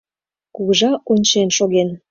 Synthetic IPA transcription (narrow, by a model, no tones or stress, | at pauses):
kuɣəʒɑonʲt͡ɕenʃoɣen